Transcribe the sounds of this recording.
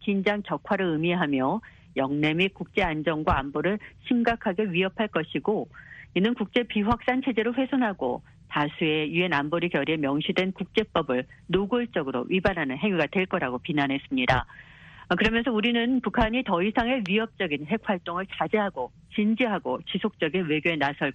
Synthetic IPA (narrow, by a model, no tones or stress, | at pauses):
kind͡ʑaŋt͡ɕʌkʰwaɾɯɭɯmiɦamjʌ | jʌŋne̞mikuk̚t͡ɕ͈e̞and͡ʑʌŋɡwaːmboɾɯɭɕʰimɡakʰaɡe̞ɥiɦʌpʰaɭk͈ʌɕʰiɡoinɯnkuk̚t͡ɕ͈e̞piɸwak̚s͈ant͡ɕʰe̞d͡ʑe̞ɾoɸwe̞sʰonɦaɡo̰ | tasʰue̞jue̞namboɾikjʌɾie̞mjʌŋɕʰidwe̞nkuk̚t͡ɕ͈e̞p͈ʌbɯɭnoɡuɭt͡ɕ͈ʌɡɯɾo̰ɥibanɦanɯnɦe̞ŋɥiɡadwe̞ɭk͈ʌɾaɡopinanɦe̞s͈ɯmɲida | kɯɾʌmjʌnsʰʌuɾinɯnpukʰaɲitʌisʰaŋe̞ɥiɦʌp̚t͡ɕ͈ʌɡinɦe̞k̚ɸwaɭt͈oŋɯɭt͡ɕad͡ʑeɦaɡo | t͡ɕind͡ʑiɦaɡot͡ɕisʰok̚t͡ɕ͈ʌɡinwe̞ɡjoe̞nasʰʌɭ